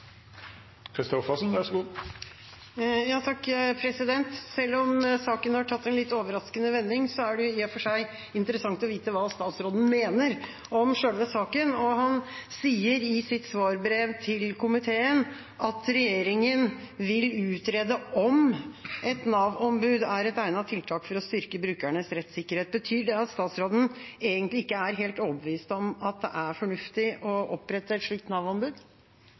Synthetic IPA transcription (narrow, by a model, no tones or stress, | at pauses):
kʰɾɪst̪ɔfəsɔnd̪æʂɡu | jɑːt̪ʰɑkːpʰɾɛsɪd̪ɛnt̪sɛlːɔmsɑːkənhɑʈʰɑt̪ːɛnlɪt̪ːoːʋəɾɑskənəʋɛnːɪŋsɔæɖɛjʊɪːɑfɔʂæɪ | ɪnt̪əɾəsɑŋt̪ɔʋiːt̪əʋɑːst̪ɑːt̪sɾoːd̪n̩meːnəɾ | ɔmʂøːlʋəsɑːkənɔhɑnsiːəɾɪsɪt̪sʋɑːɾbɾeːʋt̪ʰɪlkʰʊmɪt̪ʰeːən | ʔɑt̪ɾɛjeːɾɪŋənʋɪlʉːt̪ɾeːd̪əʔɔmʔɛt̪nɑːʋɔmbʉːd̪æɾɛt̪æɪnɑt̪ʰɪlt̪ʰɑːkfɔɾɔst̪ʏɾkəbɾʉːkæɳəsɾɛt̪sɪkːəɾheːt̪̚bət̪ʰyːɖɛɑt̪st̪ɑːt̪sɾoːd̪n̩eːɡənt̪lɪɪkːəæɾɦeːlt̪ɔbʋiːst̪ɔmɑt̪̚d̪ɛʔæɾfɔɳʉft̪ɪʔɔʔɔpːɾɛt̪ːəɛt̪ʂɭiːk̚t̪nɑːʋɔmbʉːd̪